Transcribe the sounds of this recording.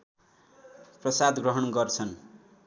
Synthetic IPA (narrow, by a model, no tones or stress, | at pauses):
prʌsad̪ɡrʌɦʌnɡʌrt͡sʰʌn